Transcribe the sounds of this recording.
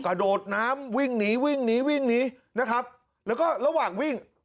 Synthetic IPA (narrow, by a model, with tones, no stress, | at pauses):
kɾa˧doː˨˩t̪̚naː˦˥mwi˥˩ŋniː˦˥wi˥˩ŋniː˦˥wi˥˩ŋniː˦˥ | na˦˥kʰa˦˥p̚ | lɛː˦˥wkɔː˥˩ɾa˧waː˨˩ŋwi˥˩ŋ